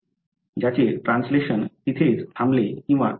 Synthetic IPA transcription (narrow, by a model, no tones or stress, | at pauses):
d͡ʑat͡ɕeʈɾãnsleɕənit̪ʰet͡sʰamblekĩw̃ʋa̰